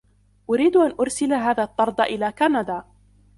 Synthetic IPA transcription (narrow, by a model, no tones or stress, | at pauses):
ʔʊɾiːd̪ʔanʔʊɾsɪlaɦaːðaːt̪ˤːɑɾˤd̪ʔɪlaːkanad̪aː